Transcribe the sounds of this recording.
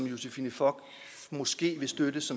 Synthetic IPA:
mjo̝sefiːnəfɒɡ̥ | mɒ̽sɡ̥e̝̰ːʋe̝sd̥ødəsɒ̽m

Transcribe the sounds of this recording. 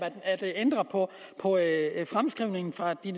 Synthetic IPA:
æ̥æd̥end̥ʁɐpʰɒ̽ | pʰɒ̽fʁamsɡ̥ʁiʊne̝ŋn̩fʁɑ̈d̥in

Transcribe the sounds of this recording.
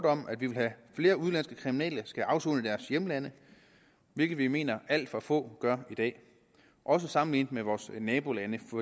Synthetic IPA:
d̥ɒ̽m̰ʔæd̥ʋiʋe̝lɦæfle̝ːɐuðˠlæn̰sɡ̥əkʰʁiminɛ̰ːlɐsɡ̥æʔɑ̈ʊso̰ːnəd̥æɐsjeməlænə | ʋe̝lɡ̥ð̩ˠʋime̝̰ːnɐʔæl̰d̥fʁɑ̈fɔ̰̽ːɡ̥ɶɐid̥ɛ̰ː | ʔɒ̽s̬əsɑ̈mn̩lḭːnd̥meʋɒːsnɛːb̥o̝lænəfɒ

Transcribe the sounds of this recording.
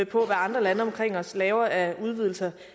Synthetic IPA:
pʰɒ̽ʋæɑ̈nd̥ʁɐlænəɒ̽mkʰʁeŋ̰ɒ̽slɛːʊɐæuð̞ˠʋiðˠl̩sɐ

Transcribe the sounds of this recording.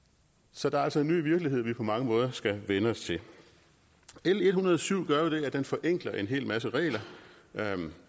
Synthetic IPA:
sɒ̽d̥ɑ̈ɐæl̰sɒ̽e̝nːy̰ːʋiɐɡ̥lie̝ð̞̰ˠʋipʰɒ̽mɑ̈ŋəmɔ̽ːð̞ˠɐsɡ̥æʋenəɒ̽st͡sʰe̝l | eləe̝d̥hunɐð̞̩ˠsyʊ̰ɡ̥ɶɐʋiɾ̥e̝æd̥enfɒ̽ʔeŋ̰ɡ̥lɐʔe̝nɦe̝̰ːlmæs̬əʁɛ̰ːlɐ | m

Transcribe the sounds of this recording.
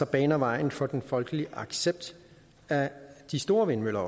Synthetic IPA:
sɒb̥ɛːnɐʋɑ̈ɪ̰n̩fɒ̽d̥enfɒ̽lɡ̥əliʔɑ̈ɡ̥seb̥̚d̥ | æd̥isd̥o̝ːɐʋenmøl̰ɐɒ

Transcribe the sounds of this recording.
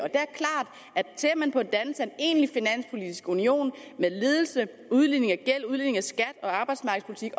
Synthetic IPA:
ɒ̽d̥e̝æɐkʰlɑ̈ːd̥ | æsʰe̝ɐmænpʰɒ̽d̥ænl̩sæene̝̰ːnəlifinæn̰spʰo̝lid̥isɡ̥unio̝̰ːnmeðˠle̝ːðˠl̩sə | uðˠlḭne̝ŋæɡ̥el̰uðˠline̝ŋæsɡ̥æd̥ɒ̽ɑ̈ːb̥ɑ̈ɪd̥smɑ̈ːɡ̥ðˠpʰolit͡sʰiɡ̥

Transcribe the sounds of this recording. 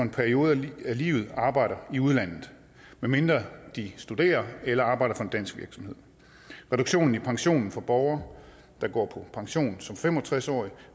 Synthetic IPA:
e̝npʰæɐio̝ːð̞̩ˠælḭːʊð̞̩ˠɑ̈ːb̥ɑ̈ɪ̰ɾɐiuð̞ˠlæn̰ð̩ˠ | meme̝nd̥ʁɐd̥isd̥ud̥e̝̰ːɐelɐɑ̈ːb̥ɑ̈ɪ̰ɾɐfɒ̽e̝nd̥æn̰sɡ̥ʋiɐɡ̥sɒ̽mhe̝ð̰ˠ | ʁɛd̥uɡ̥ɕo̝̰ːn̩ipʰɑ̈ŋɕo̝̰ːnn̩fɒ̽b̥ɒʊɐ | d̥ɑ̈ɡ̥ɒ̰ːpʰɒ̽pʰɑ̈ŋɕo̝̰ːn̩sɒ̽mfemɒ̽t͡sʰʁasɒ̰ːi

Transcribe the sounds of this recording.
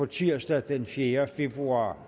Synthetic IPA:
ɒ̽t͡sʰiɐ̰sd̥æd̥enfjeːɐfe̝b̥ʁuɑ̰̈ː

